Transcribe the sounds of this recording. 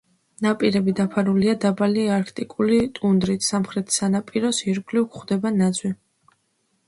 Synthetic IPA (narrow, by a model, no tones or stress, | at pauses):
napʼiɾɛbid̪apʰaɾuliad̪abaliaɾkʰt̪ʼikʼulit̪ʼund̪ɾit̪ʰsamχɾɛt̪ʰi̥sanapʼiɾɔsiɾɡʼlikχd̪ɛbanad̪zwi